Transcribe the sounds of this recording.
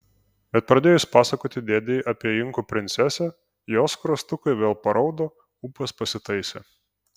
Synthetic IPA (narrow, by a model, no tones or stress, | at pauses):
bʲɛt̪̚pɾɐd̪ʲeːjʊspɑːsɐkoːt̪ʲɪd̪ʲeːd̪ʲɛɪʔɐpʲiɛɪŋkupʲɾʲɪnt̪sʲɛsʲɛ | joːskɾɐst̪ʊkɐɪʋʲeːlˠpɐɾʔɐʊd̪oː | uːpʲɐspɐsʲɪt̪ɐɪsʲḛː